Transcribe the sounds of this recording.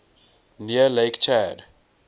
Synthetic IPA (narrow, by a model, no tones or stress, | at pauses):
niəlejkt͡ʃɛːd